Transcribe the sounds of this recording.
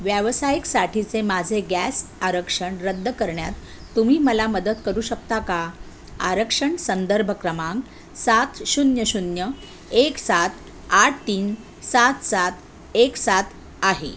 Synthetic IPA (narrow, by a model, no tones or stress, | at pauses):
ʋjəʋsajiksaʈʰit͡semad͡zʱeɡæsaɾəkʂəɳɾəd̪ːəkəɾɳjat̪ː | umiːməlaməd̪ət̪kəɾuːɕəkt̪aka | a̰ɾəkʂəɳsənd̪əɾbʱəkɾəmãŋɡ | sat̪ɕunjəɕunjə | eksat̪ | aʈ̚ʰt̪iːn | sat̪sat̪ | eksat̪ʰ | aɦḛ